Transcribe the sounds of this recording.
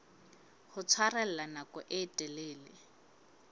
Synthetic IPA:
hʊt͡sʰwarɛl̩lanakɔʔɪtʼɛleːlɪ

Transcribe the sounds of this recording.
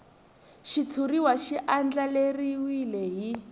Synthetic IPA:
ʃit͡sʰuɾiwaʃiʔand͡ɮaleriwileɦi

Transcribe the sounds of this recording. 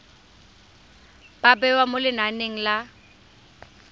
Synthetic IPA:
b̥abɛwamolɪnaneŋ̩la

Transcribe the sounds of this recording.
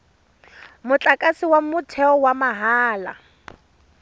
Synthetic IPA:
mʊt͡ɬʼakʼasiwamʊtʰɛɔwamaɦaːla̰

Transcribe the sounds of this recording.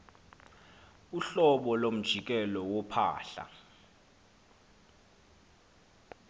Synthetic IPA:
uɬɔɓɔlom̩d̥ʒ̥ʱik̬ʼɛlɔwɔpʰa̰ːɬa̰

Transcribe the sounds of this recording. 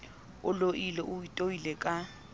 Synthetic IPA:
ʊloʔileʔʊitʼoilekʼa

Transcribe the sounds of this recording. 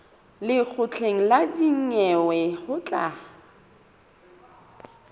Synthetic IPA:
lɪk͡xʰʊt͡ɬʰeŋ̩ladiŋ̩ŋɛwɛhʊt͡ɬʼa

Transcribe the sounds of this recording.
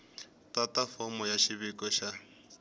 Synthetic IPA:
tatafɔmɔjaʃiβikɔʃa

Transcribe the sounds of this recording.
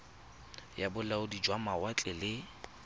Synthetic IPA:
jabʊlaʊdid͡ʒwamawat͡ɬʼɛlɪ

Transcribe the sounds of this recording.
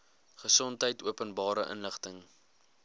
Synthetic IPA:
χəsɔntɦəjtuəpənbɑːɾəʔə̰nləχtəŋ

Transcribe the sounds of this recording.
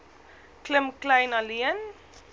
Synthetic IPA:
kləmklɛjnɐliən

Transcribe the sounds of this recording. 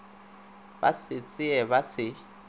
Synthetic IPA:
ba̰sɪt͡sʼɪɛbasɪ

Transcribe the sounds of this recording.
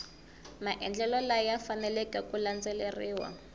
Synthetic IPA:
maʔɛnd͡ɮɛlɔlajafanɛlɛkɛkuland͡zɛleriːwa̰

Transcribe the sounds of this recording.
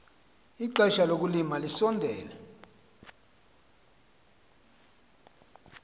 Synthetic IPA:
iǃɛʃalok̬ulimalisɔndʱɛːlɛ

